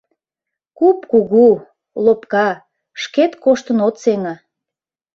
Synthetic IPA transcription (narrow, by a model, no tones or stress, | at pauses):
kupkuɣu | lopkɑ | ʃket̪koʃt̪ənot̪seŋɑ